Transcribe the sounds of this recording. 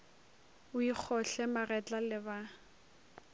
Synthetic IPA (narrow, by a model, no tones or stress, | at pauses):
ʊik͡xʰɔɬɛmarɛt͡ɬʼalɪba